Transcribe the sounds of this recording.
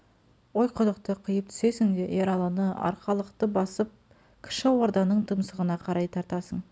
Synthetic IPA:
wo̞jqʰʊd̪əqt̪əqʰəjəp̚t̪ʰʏ̥se̞sɪŋd̪eʔeɾɑlˠɑnəɑ̰ɾqɑlˠəqt̪əbɑsəp̚ | kʲʰɪ̥ʃɪwo̞ɾd̪ɑnəɴt̪ʰəmsəʁənɑqʰɑɾɑjt̪ʰɑɾt̪ɑsəɴ

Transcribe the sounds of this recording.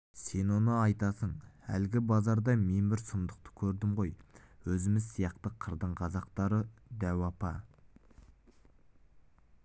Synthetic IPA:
se̞nwo̞nəɑjt̪ɑsəɴæ̰lɡʲɪbɑzɑɾd̪ɑme̞nbɪɾsʊmd̪əq̚t̪ə̥kʲʰɵɾd̪ɪmʁo̞jwɵzɪmɪzsijɑqt̪əqʰəɾd̪əɴqʰɑzɑqt̪ɑɾəd̪æwɑpɑ

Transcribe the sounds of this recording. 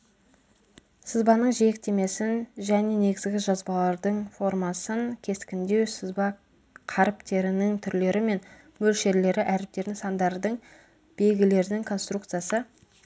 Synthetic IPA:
səzbɑnəɴʒek̚t̪e̞me̞sɪnʒæne̞ne̞ɡʲɪzɡʲɪʒɑzbɑlˠɑɾd̪əɴfo̞rmɑsəŋkʲʰe̞skʲɪnd̪e̞wsɪzbɑ | qʰɑɾɪpt̪e̞ɾɪnɪŋt̪ʰʏɾle̞ɾɪme̞n | mɵlʃe̞ɾle̞ɾɪʔæɾɪp̚t̪e̞ɾd̪ɪŋsɑnd̪ɑɾd̪əɴ | b̥e̞ɡʲɪle̞ɾd̪ɪŋkʰo̞nst̪ɾukt̪sɨjasə

